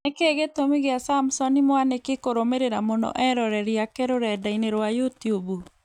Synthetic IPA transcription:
ekeɣetomiɣeasamsɔnimwanekekoɾomeɾeɾamonɔ̰ʔɛɾɔɾɛɾiakɛɾoɾɛdaineɾwajutiubu

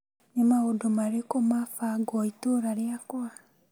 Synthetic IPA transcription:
nemaodomaɾekomafaɡɔitoɾaɾjakwa

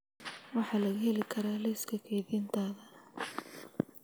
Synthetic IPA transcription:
wɑħɑːlɐɣʊhɛlɪkʰɐɾaːlɛskʰɐkʰɛjðiːnt̪ʰaːðɐ

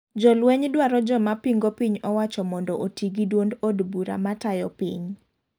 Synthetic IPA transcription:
d͡ʒɔlwɛɲdwaɾɔd͡ʒɔmapiŋɡopiɲɔwat͡ʃɔmɔndɔʔotiɡidwondodbuɾa̰matajɔpḭɲ

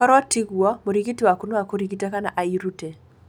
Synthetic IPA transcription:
ɔɾatiɡwɔmoɾiɡitiwakunoakoɾiɡitakana̰ʔaiɾute

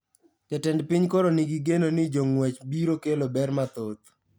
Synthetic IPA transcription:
t͡ʃɛtɛndpɪɲkoɾoniɡiɡenonɪd͡ʒoŋwɛt͡ʃbiɾokelobɛrmat̪ot̪̚

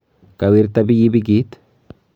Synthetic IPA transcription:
kʼɐwiɾt̪ɐbɪjibɪɡit̪

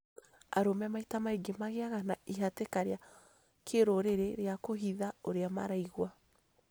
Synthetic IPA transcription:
a̰ɾomɛamaitamaiɡemaɣeaɣanaiɦatekaɾea | kʰeɾoɾeɾeɾeakoɦiðaoɾeama̰ɾaiɣwa

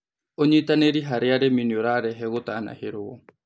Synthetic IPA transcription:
oɲiit̪aneɾiɦaɾeaɾeminioɾaɾeɦeɣot̪aːna̰heɾowo̰

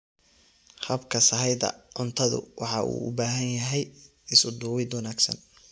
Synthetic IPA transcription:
hɐbkʰɐsɐɦɛjd̪ɐ̰ʕʊnt̪ʰɐðʊ̰wɑħɑʔṵːʔʊ̰baːɦɐnjɐɦɛj | ɪsʊd̪uːwɪd̪wɐnaːɡsɐ̰n

